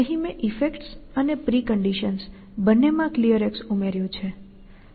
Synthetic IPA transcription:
əɦĩmẽʔifekʈsənepɾikəɳɖiʃəns | bənːemãklijəɾeksumeɾjõt͡ʃʰe

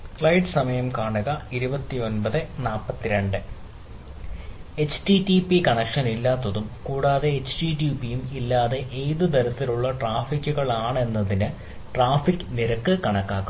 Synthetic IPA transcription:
fɭɐjɖɨsɐmɐjɐmkaːɳɨɣɐiɾubɐt̪ːio̞nbɐðɨnaːpːɐt̪ːiɾeɳɖɨ | e̞t͡ɕʈiʈipikɐɳɐkʂɐnilːaːt̪ːɐðumkuːɽaːðe̞ːt͡ɕːʈiʈjuːpijumilːaːðe̞ʔejðɨt̪ɐɾɐt̪ːiluɭːɐʈraːfikʲːuɣɐɭaːɳe̞nːɐðinɨ | ʈraːfikːɨniɾɐkːɨkɐɳɐkːaːkːu

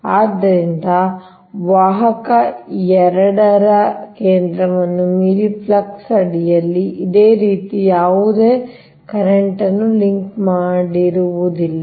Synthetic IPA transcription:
aːd̪ːɐɾind̪ɐ | ʋaːɦɐkɐɛɾɐɽɐɾɐkeːnd̪ɾɐʋɐnːumiːɾipʰlɐksɐɽijɐlːiʔid̪eːɾiːt̪ijaːʋud̪eː | kɐɾeɳʈɐnːuliŋkmaːɽiɾuʋud̪ilːɐ

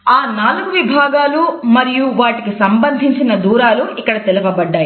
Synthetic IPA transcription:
aːnaːluɡuʋibʱaːɡaːlumɐɾijuʋaːʈikisɐmbɐnd̪ʱiɲt͡ʃinɐd̪uːɾaːluikːɐɽɐt̪ɛlɐpɐbɐɖːaːji

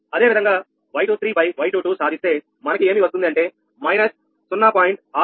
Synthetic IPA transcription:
ɐd̪e̞ːʋid̪ɐŋɡaː | ʋɐjʈuːt̪ɾiːbɐjʋɐjʈuːʈuːsaːd̪ʱist̪e̞ː | mɐnɐkie̞ːmiːʋɐs̬t̪undiɐɳʈe̞ː | mɐjnɐsː | unːaːpaːjiɳʈ̚aː

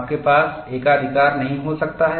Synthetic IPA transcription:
p̚kepaːs | eːkaːd̪ʱɪkaːɾnɐɦĩɦosɐk̚t̪aɦɛː

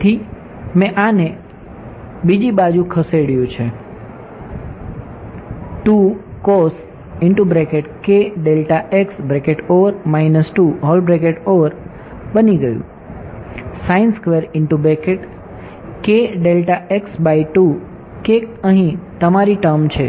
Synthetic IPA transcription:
t̪ʰi | mɛ̃ʔane | bid͡ʒibad͡ʒũkʰəseɽjũt͡ʃʰe | ʈukos | ɪɳʈubɾekeʈkeɖelʈaʔeksbɾekeʈoʋəɾmainəsʈuɦɔlbɾekeʈoʋəɾ | bəniɡəjṵ̃ | sainskʋeɾɪɳʈubɾekeʈ | keɖelʈaeksbaiʈu | kekəɦĩt̪əmaɾiʈəɾmt͡ʃʰe

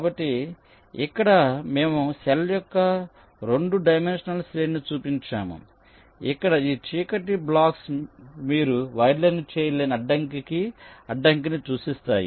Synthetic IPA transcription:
kaːbɐʈːi | ikːɐɽɐmeːmusɛljɔkːɐ | ɾeɳɖuɖɐjmenʂɐnɐlsɾeːnit͡ʃuːpiɲt͡ʃa̰ːmṵ | ikːɐɽɐiːt͡ʃiːkɐʈːiblaːksmiːɾuʋɐjɾlɐnt͡ʃɛːjɐleːniɐɖːɐŋkikiɐɖːɐŋkinit͡ʃuːsist̪aːjḭ

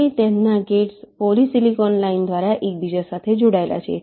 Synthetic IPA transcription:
it̪ɛnːaɡeʈspolisilikɔnlaind̪ʱʋaɾjaʔek̚bid͡ʑasat̪ʰed͡ʑuɽajla̰t͡ɕḛ

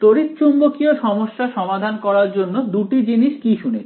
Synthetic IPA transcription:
t̪oɾit̪t͡ɕumbokioʃɔmoʃːaʃɔmad̪ʱankɔɾaɾd͡ʑonːod̪uʈid͡ʑiniʃkiʃunet͡ɕʰ

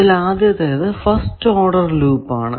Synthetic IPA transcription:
ilaːd̪jɐt̪ːejɐðɨfɐsʈoːɖɐrluːpːa̰ːɳɨ

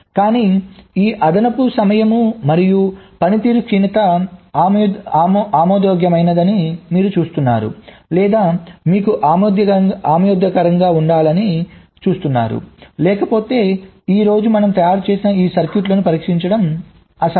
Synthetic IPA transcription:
kaːniːiːʔɐd̪ɐnɐpusɐmɐjɐmumɐɾijupɐnit̪iːɾukʂinɐt̪ɐ | aːmɔːd̪jɔːɡjɐmɐjnɐd̪ɐnimiːɾut͡ʃuːst̪unːa̰ːɾṵlɛːd̪aːmiːkuʔaːmːd̪jɐaːmɐjɔd̪jɐkɐɾɐŋɡaːuɳɖaːlɐni | t͡ʃuːst̪unːa̰ːɾṵlɛːkɐpo̞ːt̪e̞ːiːɾo̞ːd͡ʒumɐnɐmt̪ɐjaːɾit͡ʃe̞ːsinɐiːsɐɾkjuʈlɐnupɐɾiːkʂiɲt͡ʃɐɽɐm | ɐsɐ

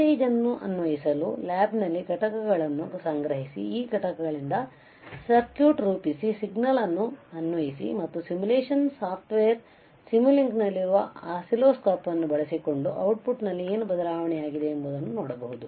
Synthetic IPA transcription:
eːd͡ʒɐnːuʔɐ̰nʋɐjisɐlulaːbnɐlːiɡʱɐʈɐkɐɡɐɭɐnːusɐŋɡɾɐɦisḭiːɡʱɐʈɐkɐɡɐɭind̪ɐ | sɐɾkjuːʈɾuːpisisiɡnɐlɐnːuɐnːʋɐjisḭmɐt̪ːusimuleːʂɐnsaːpʰʈʋeːɐɾ | simuliŋɡnɐlːiɾuʋɐaːsiloːskaːpʋɐnːubɐɭɐsiko̞ɳɖuʔɐwʈ̚puʈnɐlːie̞ːnubɐd̪ɐlaːʋɐɳɛjaːɡid̪e̞ːmbod̪ɐnːunoːɽɐbɐɦud̪u

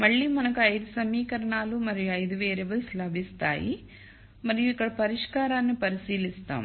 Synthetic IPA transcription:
mɐɭːiːmɐnɐkuɐjd̪usɐmiːkɐɾɐɳaːlumɐɾijuɐjd̪uʋeːɾeʋɐlslɐbʱist̪a̰ːjḭ | mɐɾijuikːɐɽɐpɐɾiʂkaːɾaːnːipɐɾisiːlist̪a̰ːm

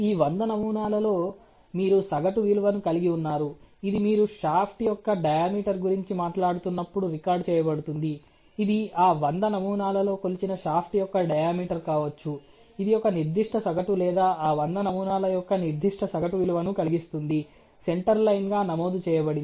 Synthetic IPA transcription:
iːʋɐnd̪ɐnɐmuːnaːlɐlo̞ː | miːɾusɐɡɐʈuʋiluʋɐnukɐliɡiunːaːɾuid̪imiːɾuʂaːpʰʈjɔkːɐɖɐjaːmiːʈɐɾɡuɾiɲt͡ʃimaːʈlaːɽut̪unːɐpːuɽuɾikaːɾɖt͡ʃɛːjɐbɐɽut̪und̪iː | d̪iaːʋɐnd̪ɐnɐmuːnaːlɐlo̞ːkolit͡ʃinɐʂaːpʰʈijɔkːɐɖɐjaːmiːʈɐɾkaːʋɐt͡ʃːu | id̪ijɔkːɐniɾd̪ʱiʂʈʰɐsɐɡɐʈulɛːd̪aːaːʋɐnd̪ɐnɐmuːnaːlɐjɔkːɐniɾd̪ʱiʂʈʰɐsɐɡɐʈuʋiluʋɐnukɐliɡist̪und̪i | se̞ɳʈɐɾlɐjnɡaːnɐmoːd̪ut͡ʃɛːjɐbɐɽin

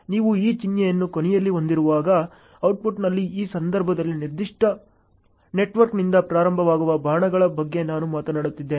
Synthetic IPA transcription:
niːʋuiːt͡ʃinjɐjɐnːukonɛjɐlːio̞nd̪iɾuʋaːɡɐ | ɐwʈ̚puʈnɐlːiiːsɐnd̪ɐɾbʱɐd̪ɐlːiniɾd̪iʂʈɐ | ne̞ʈʋɐɾknind̪ɐpɾaːɾɐmbʱɐʋaːɡuʋɐbʱaːɳɐɡɐɭɐbɐɡːe̞naːnumaːt̪ɐnaːɽut̪ːid̪ːeːn

